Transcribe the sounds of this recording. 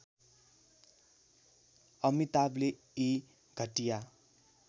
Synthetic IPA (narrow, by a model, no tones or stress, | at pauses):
ʌmit̪able | i | ɡʱʌʈija